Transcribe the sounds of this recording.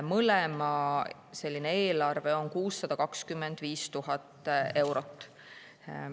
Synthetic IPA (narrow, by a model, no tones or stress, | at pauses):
mɤlemɑ | se̞lʲːineeːlɑrve̞o̞ŋkuːsːɑd̪̥ɑkɑkskymːe̞nd̪̥viːst̪uɦɑt̪ːˑe̞wɾo̞t̪ːˑ